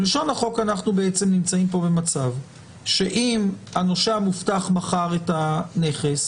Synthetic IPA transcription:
liʃo̞naχo̞kanaχnubeet͡se̞mnimt͡saimpo̞be̞mat͡sav | ʃe̞ʔimano̞ʃamuftaχmaχaʁetane̞χe̞s

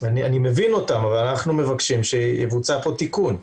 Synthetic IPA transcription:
anianime̞vino̞tamavalanaχnume̞vakʃimʃejevut͡sapo̞tikun

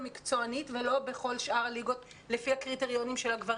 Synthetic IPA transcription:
mikt͡so̞anitvelo̞be̞χo̞lʃʔaʁliɡo̞t | lefihakʁiteʁjo̞nimʃe̞lhaɡvaʁ

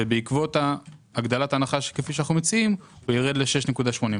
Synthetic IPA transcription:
ebeikvo̞taːɡd̪alatanaχaʃe̥kefiʃ̬anaχnumet͡siimujeʁed̪le̞ʃe̞ʃnekud̪aʃmo̞nĩ

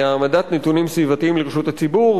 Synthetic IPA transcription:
amad̪at̪net̪unimsvivat̪iimleʁeʃut̪hat͡sibuʁ

